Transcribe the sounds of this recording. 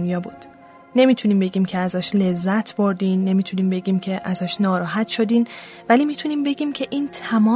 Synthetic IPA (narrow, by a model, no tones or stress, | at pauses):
njɒːbuːd̪̥ | ne̞miːt̪ʰuniːmbe̞ɟiːmcʰe̞æzɒːʃle̞zːæt̪ʰbo̞ɾd̪iːnːe̞miːt̪ʰuniːmbe̞ɟiːmcʰe̞ʔæzɒːʃnɒːɾɒːɦæt̪ʃo̞d̪iːnvæliːmiːt̪ʰuniːmbe̞ɟʲiːmcʰe̞ʔiːnt̪ʰæmɒː